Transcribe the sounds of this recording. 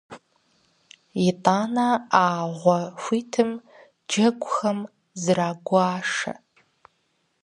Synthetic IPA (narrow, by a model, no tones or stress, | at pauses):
jɪtʼaːnaaːʁʷɔɐxʷiːtʰɨm | d͡ʒɐɡʷʼʊxɐm | zɨraːɡʷaːʂɐ̰